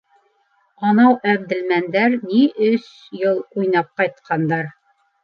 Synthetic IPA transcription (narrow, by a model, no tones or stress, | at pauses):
ɑnɑwʔæb̚d̪ɘ̆lmænd̪æɾniʔɵs | jɤlˠujnɑp̚qɑjt̪̚qʰɑnd̪ɑɾ